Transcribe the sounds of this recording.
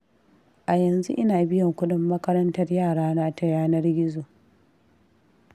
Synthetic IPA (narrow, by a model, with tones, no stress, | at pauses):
ʔa˨jɐ˨nzṵ˦ʔɪ˦naː˨bɪ˦jɔ˨ŋkʷʊ˦dʊ˦mːɐ˦kɐ˦ɾɐ˦ntɐ˦rjaː˦˨ɽaː˦naː˦tɐ˨˦jaː˦nɐ˦rɡʲɪ˦zoː˨